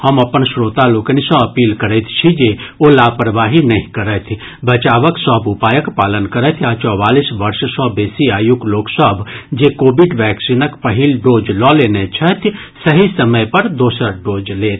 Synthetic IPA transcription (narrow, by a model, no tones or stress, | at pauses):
hɐmɐpənsɾoːt̪aloːkənisɔ̃ɐpiːlkɐɾət̪ʰt͡ʃʰid͡ʒeolaːpɾəʋaːɦinɐɦĩkɐɾət̪ʰ | bɐt͡ʃaːʋəksɔːbʊpaːjəkpaːlənkɐɾət̪ʰaːt͡ʃɔːʋaːlisʋɐɾʃsɔbeːsiaːjʊkloːksɔbʱd͡ʒekoːbɪɖʋɛːksiːnəkpɐɦiːlɖoːd͡ʒlɔleːnet͡ʃʰɐt̪ʰ | sɐɦisɐməjpɐɾd̪oːsəɾɖoːd͡ʒleːt̪ʰ